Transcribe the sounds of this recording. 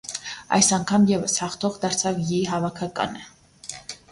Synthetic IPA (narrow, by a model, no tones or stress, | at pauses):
ɑ̰jsɑŋkʰɑmjɛvəshɑχt̪ʰɔʁd̪ɑɾt͡sʰɑvjiɦɑvɑkʰɑkɑ̰nə